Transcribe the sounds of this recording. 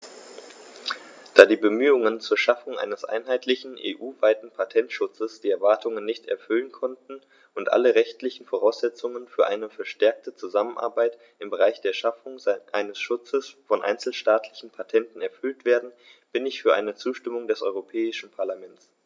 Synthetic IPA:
d̥aːdiːbəmyːʊŋənt͡suːɐʃafʊŋʔa̰ɪnəsʔa̰ɪnɦaɪtlɪçn̩ʔḛːʔuːvaɪtn̩pʰatʰɛntʃʊt͡səsd̥iːɛɐvaɐtʰʊŋənːɪçtɛ̰ɐfʏlənkʰɔntn̩ | ʔʊntʔa̰ləʁɛçtlɪçn̩foʁ̞aʊsz̥ɛt͡sʊŋənfyːɐʔaɪnəfɛɐʃtɛɐk̚tət͡suzamənʔa̰ːɐbaɪt | ʔɪmbəʁ̞aɪçd̥eːɐʃafʊŋʔaɪnəsʃʊt͡səsfɔnʔa̰ɪnt͡sl̩ʃtaːtʰlɪçn̩pʰatʰɛntn̩ɛɐfʏltv̥eːɐdn̩ | b̥ɪnɪçfyːɐʔaɪnət͡suːʃtɪmʊŋdɛsʔɔ̰ʏʁopʰɛːɪʃn̩pʰaɐlamɛnt͡s

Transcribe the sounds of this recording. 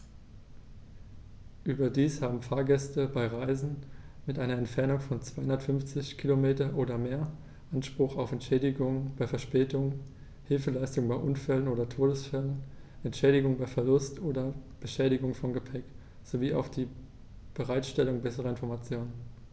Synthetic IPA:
ʔyːbɐdiːshaːbm̩faːɐɡɛstəbaɪʁaɪzn̩mɪtʔaɪnɐɛntfɛɐnʊŋfɔnt͡sv̥aɪhʊndɐtfʏnft͡sɪçkʰilomeːtɐʔoːdɐmeːɐ | ʔanʃpʁ̥ʊχaʊfɛntʃɛːdɪɡʊŋəb̥aɪfɛɐʃpɛːtʊŋ | hɪlfəlaɪstʊŋbaɪʔʊnfɛlənʔoːdɐtʰoːdəsfɛlən | ʔɛntʃɛːɾɪɡʊŋbaɪfɛɐlʊstʔoːdɐb̥əʃɛːɾɪɡʊŋfɔnɡəpʰɛk | z̥oviːʔa̰ʊfd̥iː | b̥əʁaɪtʃtɛlʊŋbɛsəʁɐɪnfɔɐmat͡sjoːnən

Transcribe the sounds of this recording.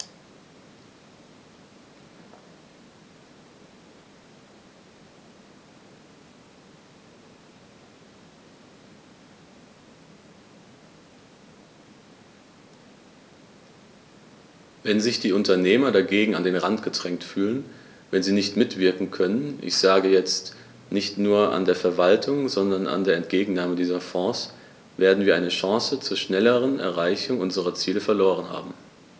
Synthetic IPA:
vɛnzɪçd̥iːʊntɐneːmɐdaɡeːɡŋ̩andeːnʁantɡ̥ədʁ̥ɛŋtfyːlən | vɛnziːnɪçtmɪtv̥ɪɐkŋ̩kʰœnənʔɪ̰çz̥aːɡəjɛt͡st | nɪçtnuːɐʔa̰ndeːɐfɛɐvaltʰʊŋzɔndɐna̰ndeːɐɛntɡ̥eːɡŋ̩naːmədiːzɐfɔ̃ːs | veːɐdn̩viɐʔaɪnəʃɑ̃ːsət͡suːɐʃnɛləʁənɛ̰ɐʁaɪçʊŋʔʊnzəʁɐt͡siːləfɛɐloːʁənha̰ːbm̩

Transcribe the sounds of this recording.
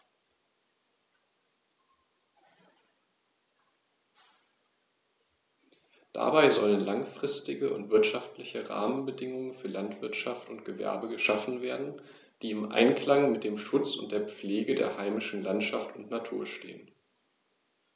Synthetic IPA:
d̥a̰baɪzɔlənlaŋfʁ̥ɪstɪɡəʊ̰ntv̥ɪɐtʃaftlɪçəʁa̰ːmənbədɪŋʊŋənfyːɐlantv̥ɪɐtʃaftʊntɡ̥əvɛ̰ɐbəɡəʃafn̩veːɐdn̩ | d̥iːɪmʔa̰ɪnkl̥aŋmɪt̚d̥eːmʃʊt͡sʊ̰nt̚d̥eːɐp͡fleːɡədḛːɐhaɪmɪʃn̩lantʃaftʊntnatʰuːɐʃtḛːən

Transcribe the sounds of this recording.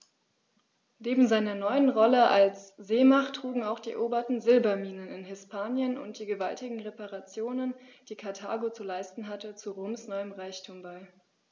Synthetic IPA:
neːbm̩zaɪnɐnɔʏənʁɔləʔalsz̥eːmaχtʁ̥uːɡŋ̩aʊxd̥iːɛ̰ʔoːbɐtn̩zɪlbɐmiːnənɪnɦɪspʰaːnjənʊ̰nt̚d̥iːɡəvaltɪɡŋ̩ʁepaʁat͡sjoːnənd̥iːkʰaɐtʰa̰ːɡot͡sulaɪstn̩ɦatət͡suʁoːmsnɔʏəmʁaɪçtʰuːmbaɪ

